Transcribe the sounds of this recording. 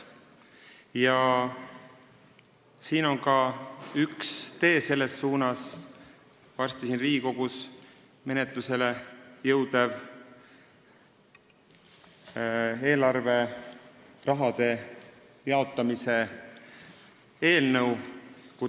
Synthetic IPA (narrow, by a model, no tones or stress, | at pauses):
jɑ | siːno̞ŋkɑykst̪e̞ːse̞lːe̞sːuːnɑs | vɑrst̪isinriːiko̞ɡ̥us | me̞ne̞t̪luse̞le̞jɤwd̪ev | e̞ːlɑrve̞ | rɑɦɑd̪e̞ | jɑo̞t̪ːˑɑmise̞ | e̞ːlnəwku